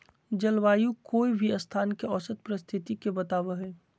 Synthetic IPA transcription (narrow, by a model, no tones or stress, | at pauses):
d͡ʒɐlʋaːjukoːibʱiəst̪ʰaːnkeɔːsət̪̚pɾəst̪ʰɪt̪ikebɐt̪aːʋəɦɛː